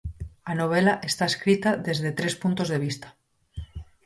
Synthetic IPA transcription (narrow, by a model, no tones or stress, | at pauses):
anoβ̞elaʔe̞st̪aeskɾit̪aðe̞zðe̞t̪ɾe̞spunt̪o̞zðe̞β̞ist̪ḁ